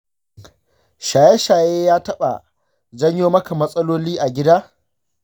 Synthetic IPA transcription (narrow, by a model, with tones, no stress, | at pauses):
ʃaː˨jɛ˦ʃaː˨jeː˦jaː˦tɐ˦ɓa̰˨ | zɐ˦ɲjoː˦mɐ˦ka˨mɐ˦sʼɐ˦loː˦liː˦ʔa˨ɡʲɪ˦daː˦